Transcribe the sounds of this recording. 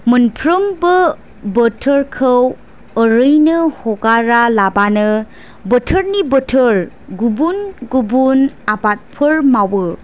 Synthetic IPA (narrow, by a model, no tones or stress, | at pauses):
mənpʰɾɯmbɯ | bətʰəɾkʰəw | əɾɯjnɯhɔɡaɾalabanɯ | bətʰəɾnibətʰəɾ | ɡubunɡubunabat̚pʰɯɾmawɯ